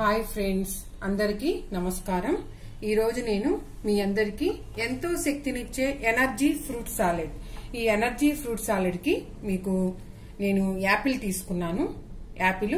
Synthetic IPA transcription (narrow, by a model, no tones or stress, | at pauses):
ɦaːjpʰɾe̞ɳɖs | ɐnd̪ɐɾikiːnɐmɐskaːɾɐm | iːɾo̞ːd͡ʒune̞ːnu | miːɐnd̪ɐɾikiː | ent̪o̞ːʃɐk̚t̪init͡ʃːe̞ːʔenɐɾd͡ʒiːpʰɾuːʈsaːlɐɖiːenɐɾd͡ʒiːpʰɾuːʈsaːlɐɖki | miːku | ne̞ːnuaːpilt̪iːsu̥kunːaːnuaːpilu